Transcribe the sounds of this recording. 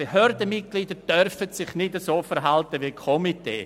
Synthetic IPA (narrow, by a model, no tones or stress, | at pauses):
ehøɾdəmɪt̚ɡ̥liːd̥əɾd̥œrfətsɪχnɪdəsoːfəɾɦaltəʋikʰɔmitḛː